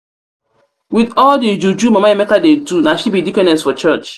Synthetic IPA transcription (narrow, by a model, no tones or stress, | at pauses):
widɔldid͡ʒud͡ʒumamajemekadedunaʃibidikɛnɛ̃sfɔt͡ʃət͡ʃ